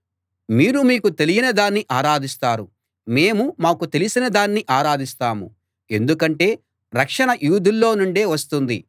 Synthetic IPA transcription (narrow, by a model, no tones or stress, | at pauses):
miːɾumiːkut̪e̞lijinɐd̪aːnːiʔaːɾaːd̪ist̪aːɾu | me̞ːmumaːkut̪e̞lisinɐd̪aːnːiʔaːɾaːd̪ist̪aːmṵ | e̞nd̪ukɐɳʈe̞ː | ɾɐkʂɐɳɐjuːd̪ʱilːo̞ːnuɳɖe̞ːʋɐst̪und̪i